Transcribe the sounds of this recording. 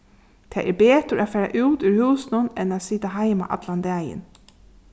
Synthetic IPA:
t̪ʰɛːʔɛɹbeːt̪əɾʔafæːɹa̰ʔʉːt̪ʉɹhʉːsnʊnɛnaːsiːt̪aɦaɪma̰ʔa̰t̪land̪ɛːjə̰n

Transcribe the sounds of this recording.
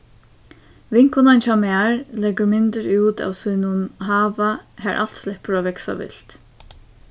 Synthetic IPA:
vɪŋ̥kʊnant͡ʃamaɹlɛɡəɹmɪnt̪əɾuːt̪a̰wsuːnʊnɦaːʋahæɹʔa̰l̥t̪slɛhpəɾɔvɛksa̰ʋɪ̰l̥t̪

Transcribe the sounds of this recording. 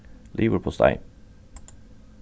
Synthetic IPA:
lʔiːʋəpʰɔst̪a̰ɪ

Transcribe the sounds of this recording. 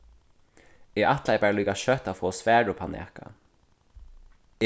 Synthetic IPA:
ɛːʔat̪lajpæːɹaliːkaʃœt̪afoːsʋæːɹʊpʰan̰ɛ̰ka̰

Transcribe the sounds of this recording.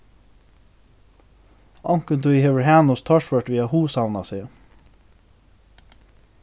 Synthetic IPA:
ɑŋkənt̪ʰuiːhɛʋəɹhæːnʊst̪ʰɑʃʋəʈʋiːɑhuːsɑʋnɑsiː

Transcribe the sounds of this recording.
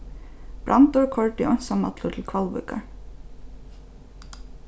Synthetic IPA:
b̥ɾʔa̰nt̪ʊɹkʰɔɹt̪ɪɔjnsamːa̰t̪lʊt̪ʰɪlkʰvalvʏ̰ːka̰ɹ

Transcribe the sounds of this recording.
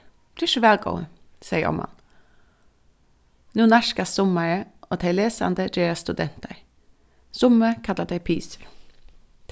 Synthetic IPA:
d̪̥ːʃəʋɛːlɡo̰ʊə̰sɛɪə̰ʔɔ̰mɑ̰n | nuːnæʃkɑssʊməɹəʔoːt̪ʰɛɪleːsɑ̰nd̪əd͡ʒeːɾɑst̪ʉd̪ɛnt̪ə̰ɾ | sʊməkʰɑlːəd̪ɛɪpʰiːsə

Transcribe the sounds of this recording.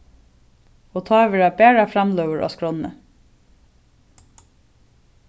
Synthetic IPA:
oːt̪ʰɑːʋeɹæbeːɹɑfɾɑmlœʋəɹʔɔ̰ːskɹɔnə̰

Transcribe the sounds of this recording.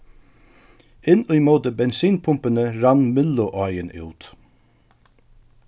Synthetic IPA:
ɪnʉjmoːt̪əbɛnsiːnpʰʊmpənəɾɑnmɪlːʊʔɑjənʔṵːt̪

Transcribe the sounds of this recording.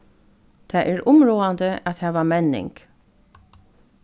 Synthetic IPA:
t̪ʰaʔɛɹʊmɹoːand̪əæt̪hæːʋamɛnɪ̰ŋk

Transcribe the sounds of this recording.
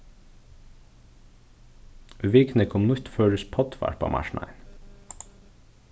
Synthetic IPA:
ʋiːknəkʰɔmnʊçt̪føːɾʉspʰɑd̪ʋæ̰ɾpɑ̰ːmʔɑ̰ʃɳɑ̰n

